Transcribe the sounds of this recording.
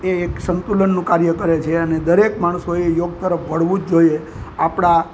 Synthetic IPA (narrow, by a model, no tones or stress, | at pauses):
eeksənt̪ulənːũkaɾjəkəɾet͡ʃʰeəned̪əɾekmaɽ̃soejoɡ̚t̪əɾəpʰʋəɽʋũd͡ʒd͡ʒoie | apɽ̃a